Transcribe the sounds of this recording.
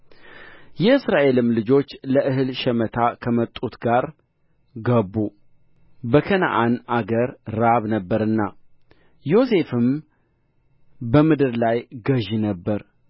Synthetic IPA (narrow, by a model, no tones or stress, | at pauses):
jɛɨsɾaʔe̞lɨmlɨd͡ʒo̞t͡ʃːləʔɨɦɨlʃɛmət̪ʰakʰəmət̪ʼːut̪ɡaɾ | ɡəbːu | bəkʰəna̰ʔanʔaɡəɾːaβnəbːəɾɨnːa | jo̞se̞fɨm | bəmɨd̪ɨɾlajɡəʒnəbːəɾ